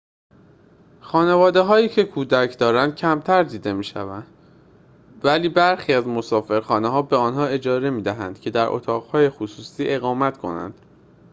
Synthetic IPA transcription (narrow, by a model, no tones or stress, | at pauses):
xɒːne̞vɒːd̪e̞ɦɒːiːcʰe̞kʰuːd̪æcʰd̪ɒːɾænd̪̥̚cʰæmt̪ʰæɾd̪iːd̪e̞miːʃæ̰vænd̪̥ | væliːbæɾxiːæzmosɒːfe̞ɾxɒːneɦɒːbeɒːnɦɒːe̞d͡ʒɒːɾe̞miːd̪æɦænd̪̥cʰe̞d̪æɾʔo̰t̪ʰɒːɣhɒːje̞xusuːsiːʔe̞ɣɒːmæt̪kʰo̞̰næ̰nd̪̥